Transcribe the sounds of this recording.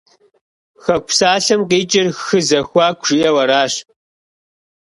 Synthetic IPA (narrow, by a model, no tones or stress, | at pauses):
xɐkʷsaːɬɐmqiːt͡ʃʼɪrxɨzɐxʷɑːkʷʰʐ̥ijɛwɐɾaːɕ